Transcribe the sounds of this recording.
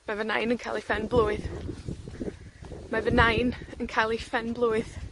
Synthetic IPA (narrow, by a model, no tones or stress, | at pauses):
mavəna̰jnənkʰa̰lˠifɛnblˠuːɨð | mavənajnənkʰalˠifɛnblˠuːɨð